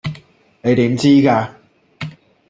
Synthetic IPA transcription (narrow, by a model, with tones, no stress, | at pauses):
ne˨˧jt̪iː˨˥mt͡siː˥kaː˧